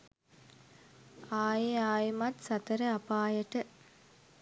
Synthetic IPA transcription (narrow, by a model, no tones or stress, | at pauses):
aːjeaːjemɐt̪sɐt̪əɾəɐpaːjəʈə